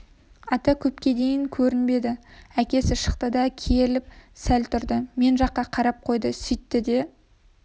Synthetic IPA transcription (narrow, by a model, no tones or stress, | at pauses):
ɑt̪ɑkʲʰɵpkʲe̞d̪e̞jɪŋkʲʰɵɾɪnbe̞d̪ɪækʲe̞sɪʃə̥qt̪əd̪ɑkʲʰelɪp̚sælt̪ʰʊɾd̪əme̞nʒɑqːɑqʰɑɾɑp̚qʰo̞jd̪əsʏjt̪ːɪd̪e̞